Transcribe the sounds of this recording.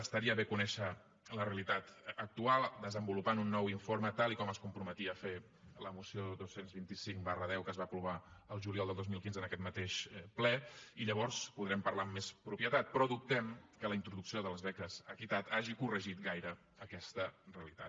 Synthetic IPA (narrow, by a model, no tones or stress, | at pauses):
əst̪əɾiəβekunɛʃə | ləreəlit̪at̪ːk̚t̪ualˠd̪əzəmbulupanunːɔwiɱfoɾmət̪alˠikɔməskumpɾumət̪iəfe | ləmusioðosenzβint̪isiŋbarəðɛwkəzβapɾuβ̞aəlˠʒuliɔlˠd̪əlˠozmilˠkinzənəkɛt̪mət̪eʃplɛiʎəβ̞ɔɾspuðɾɛmpəɾlamːespɾupjət̪at̪̚pɾɔðup̚t̪ɛmkələint̪ɾuðuksioðələzβɛkəzəkit̪at̪aʒikurəʒit̪ɡajɾə | əkɛst̪əreəlit̪at̪